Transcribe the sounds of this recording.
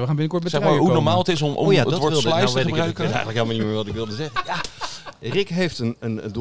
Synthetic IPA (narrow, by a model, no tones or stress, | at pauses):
əχaːnbɪnəkɔɹtmɛsɛmaːɦunɔɹmaːlˠətɪsɔmjadɔtʋɔʋɪlˠdəjəeəkbrakətɛ̰jɣəntləkɦelˠmanimɪːɹʋɑtɪkʋɪlˠdəzɛχənja | rɪkɦejftənənd